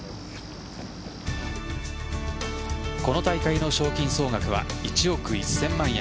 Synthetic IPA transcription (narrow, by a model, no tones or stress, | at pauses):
ko̞no̞t̪aikaino̞ɕo̞ːkʲĩɰ̃so̞ːŋakɯ̟βa̰it͡ɕio̞kɯ̟isːẽ̞mːãɰ̃